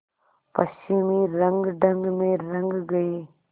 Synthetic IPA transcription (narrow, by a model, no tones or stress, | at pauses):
pəsimẽːɾɐ̃ŋɡɖʱəŋɡmẽɾɐ̃ŋɡɡɐeː